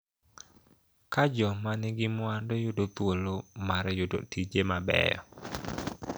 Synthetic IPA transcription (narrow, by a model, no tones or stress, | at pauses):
kad͡ʒɔmanɪɡɪmʊandɔjʊdot̪wolomaɾjʊdo̰tid͡ʒemabɛ̰jɔ̰